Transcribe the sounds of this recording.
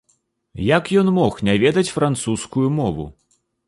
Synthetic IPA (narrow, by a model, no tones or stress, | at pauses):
jakjɔnmɔxnʲavʲɛd̪ɐt͡sʲfɾant̪suskujumɔvṵ